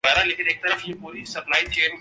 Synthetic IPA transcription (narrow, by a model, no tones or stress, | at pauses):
ɛːɾaleːkɪ̃neːk̚t̪ɐɾəfjepuːɾisɐplaːit͡ʃeːn